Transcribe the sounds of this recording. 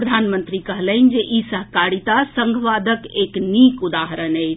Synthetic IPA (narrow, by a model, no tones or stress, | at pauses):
ɾəd̪ʱanmənt̪ɾikəɦləɪnd͡ʒeʔisəɦkaɾit̪asə̃ŋɡʱʋad̪ʱəkeknikud̪aɦɾənəjt͡ʃʰ